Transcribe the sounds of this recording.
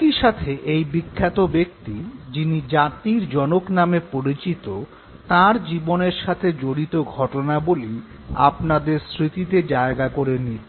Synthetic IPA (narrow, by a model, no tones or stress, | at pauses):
iʃat̪ʰeʔejbikʰːat̪obek̚t̪id͡ʑinid͡ʑat̪iɾd͡ʑɔnoknamepoɾit͡ɕit̪o | t̪aɾd͡ʑiboneɾʃat̪ʰed͡ʑoɽit̪oɡʱɔʈonaboli | a̰pnad̪eɾsɾit̪it̪ed͡ʑaeɡakoɾenːi